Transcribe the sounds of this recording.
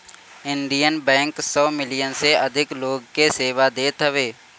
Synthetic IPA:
ɪ̃nɖ̪ijənbɛ̃ːŋksɔːmɪlijənseɐd̪ʱɪkloːɡkeseːʋad̪eːt̪ɦəʋeː

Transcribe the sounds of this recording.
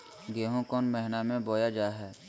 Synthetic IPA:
ɡeːɦõkɔːnmɛɦɪnamẽboːjad͡ʒaːɦɛː

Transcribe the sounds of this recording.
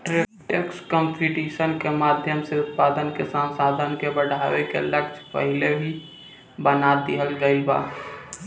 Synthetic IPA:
ʈɾeʈekskəmpʰiʈiːʃənkemaːd̪ʱjəmseʊt̪̚paːd̪ənkesamsaːd̪ʱənkebəɽʱaːʋekḛləɡd͡ʒpə̰ɦɪlebʱi | bənat̪iɦəlɡəiba̰ː

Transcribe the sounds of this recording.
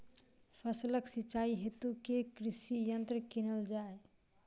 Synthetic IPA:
pʰəsləksit͡ʃaiɦet̪ukekɾisijənt̪ɾəkinəld͡ʒae

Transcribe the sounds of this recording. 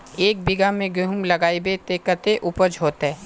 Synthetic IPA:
eːk̚bɪɡamẽɡɾʊɦʊmlɐɡaːibet̪eːkət̪eʔʊpəd͡ʒɦoːt̪ɦɛː

